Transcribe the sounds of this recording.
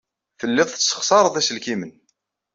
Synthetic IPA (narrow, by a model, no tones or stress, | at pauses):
fəlːɪðˤθsːə̥χsˤɑɾˤəðˤæsəlkimən